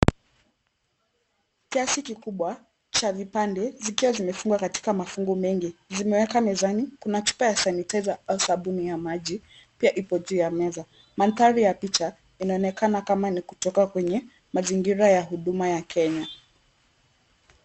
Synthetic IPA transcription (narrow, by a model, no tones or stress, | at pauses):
kiasikikuɓwa | t͡ʃavipandɛzikiwazimɛfuŋɡwakati̥kamafuŋɡumɛŋɡizimɛwɛkamɛzanikunat͡ʃu̥pajasanitazaausaɓunijamaʄi | piaʔipɔʄuːjamɛza | mant̪aɾijapit͡ʃa | inaɔnɛkanakamanikutɔkakwɛɲɛ | maziŋɡiɾajaɦuɗumajakʰɛɲa